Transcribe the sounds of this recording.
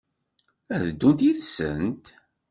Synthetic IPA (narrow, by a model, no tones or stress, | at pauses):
æðəd̪ːunt̪iðsə̰nt̪